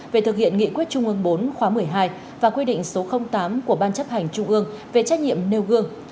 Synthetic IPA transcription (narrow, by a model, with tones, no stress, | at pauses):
ve˨˩t̪ʰɨ˨˩k̚hḭ˧˨ənŋḭ˧˨kwi˦˥t̚t͡ɕʊ˧ŋ͡mʔɨ˧əŋɓo˨˦nxwaː˨˦mɨ˨˩əjɦaː˧j | vaː˨˩kwi˧ɗḭ˧˨ŋ̟so˨˦xə˧wŋ͡mt̪aː˨˦mku˧˩əɓaː˧nt͡ɕə˦˥p̚ha˨˩jŋ̟t͡ɕʊ˧ŋ͡mʔɨ˧əŋ | ve˨˩t͡ɕaː˦˥k̚ɲḭ˧˨əmne˧wɣɨ˧əŋ